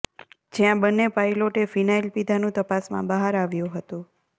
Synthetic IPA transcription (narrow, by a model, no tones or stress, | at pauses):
d͡ʒjãbənːepajloʈefinailpid̪ʱanũt̪əpasmã̰bəɦaɾaʋjũɦət̪ũ